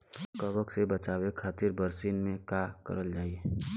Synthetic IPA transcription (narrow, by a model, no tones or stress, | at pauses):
kəbəksebɐt͡ʃaːwekʰaːt̪ɪɾbəɾsiːnmẽkakə̰ɾəld͡ʒaːie